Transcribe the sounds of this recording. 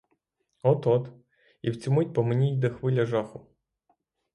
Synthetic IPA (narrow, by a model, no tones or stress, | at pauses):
ɔt̪ɔt̪ | iwt͡sʲɔmut̚ʲpɔmenʲijd̪ɛxʋɪlʲɐʒɑxʊ